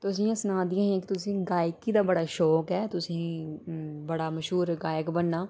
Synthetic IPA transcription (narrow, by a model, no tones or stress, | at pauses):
t̪ʊs̬ĩːãsnãːd̪ɪjãːekt̪ʊsĩːɡaːjkːiːd̪aːbəɽaːʃɔːkɦɛːt̪ʊsĩː | bəɽaːməʃɦuːɾɡaːjəkbənːaː